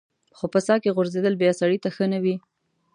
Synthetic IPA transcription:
xopəsɑkeɣʊɾzed̪əlbjɑsaɽit̪axənawi

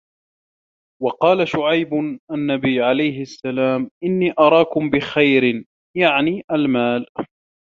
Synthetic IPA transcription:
wɑqɑːlaʃʊʕajbʊʔanːabijːʕalajɦɪʔasːalaːmʔɪnːiːʔɑɾˤɑːkʊmbɪxajɾɪ | jaʕniːʔalmaːl

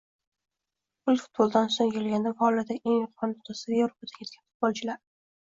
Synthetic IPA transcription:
ʊlˠfʊ̥t̪̚bolˠd̪ansoŋjolˠɡʲand̪afɒlad̪aʔeŋjɒqʰːɒnt̪ʰɑsavievɾopad̪akʲʰekʲanfʊ̥t̪̚bɒlˠt͡ʃʰɪlaɾ

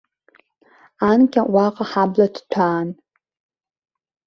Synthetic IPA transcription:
ankʲʼaʔʷɑːqʼɐħaːblɐtʰtʷʰaːn

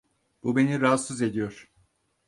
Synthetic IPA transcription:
b̥ube̞niɾasɯze̞d̪ijoɾ̥

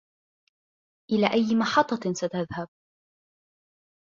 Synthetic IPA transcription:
ʔɪlaːʔajːmɑħɑt̪ˤːɑsat̪aðhab̚

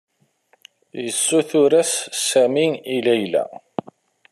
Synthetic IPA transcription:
jəsːuθʊɾæssæminilæjlæ̰

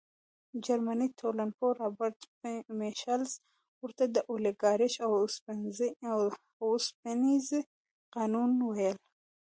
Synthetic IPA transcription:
d͡ʒaɾmanit̪ʰolanpoɾabaɾt̪ | meʃals | wʊɾt̪ad̪əʔoleɡɑːɾɪʃawspanzi | wspeniz | qɑːnunwajəl

